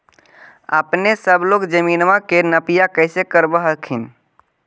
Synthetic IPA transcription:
ə̰pnesəbloɡd͡ʒəminmãkenəpijakəɪsekəɾbəɦəkʰin

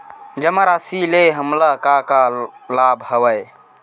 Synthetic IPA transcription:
d͡ʒəmaɾasileɦəmlakakalabʱɦəwəj

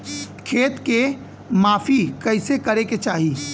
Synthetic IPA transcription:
kʰeːt̪ke | maːpʰikəɪsekəɾeket͡ʃaːɦi

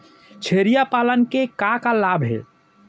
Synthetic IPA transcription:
t͡ʃʰeɾijapalənkekakalabɦḛ

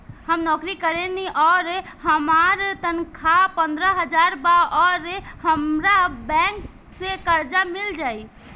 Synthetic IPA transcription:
həmnɔkɾikəɾɛniʔɔːɾɦəmaɾt̪ənkʰapə̃nd̪ɾəɦəd͡ʒaɾbaɔːɾɦəmɾabɛ̃ŋk | sekəɾd͡ʒamild͡ʒaːi

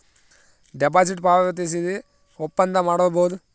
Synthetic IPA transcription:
ɖɛp̬aːs̬iʈpaːʋɐʋɐt̪is̬id̪i | ɔpːɐnd̪ɐmaːɽɔːbod̪u

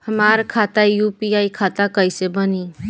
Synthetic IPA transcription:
həmaɾkʰat̪ajupiaikʰat̪akəjsebəni

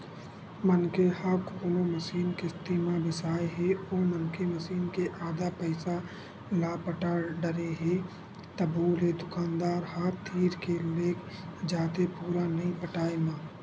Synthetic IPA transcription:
mənkehakoːnõməʃiːnkest̪iːmabɪsaːeɦɛoːmənkeməʃiːnkeʔaːd̪apəɪsa | laːpəʈaːɖəɾeɦe | t̪əboːlɦed̪ʊkaːnd̪aːɾɦaːt̪ʰiːɾkeleːkʰd͡ʒaːt̪epuːɾanɐɦĩpəʈaːemãː

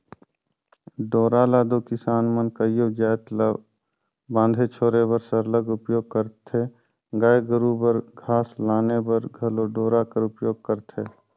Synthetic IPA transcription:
ɖoːɾaːlaːd̪okɪsaːnmənkəjod͡ʒaːt̪l | bãːnd̪ʱet͡ʃʰoːɾebəɾsəɾləɡʊpjoːɡ̚kəɾt̪ʰeː | ɡaːeɡəɾubəɾɡʱaːslaːnebəɾɡʱəloɖoːɾakəɾʊpjoːɡ̚kəɾt̪ʰeː

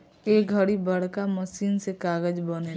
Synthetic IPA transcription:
eːɡʱəɽibəɽ̤kaməsiːnsekaːɡəd͡ʒbəne

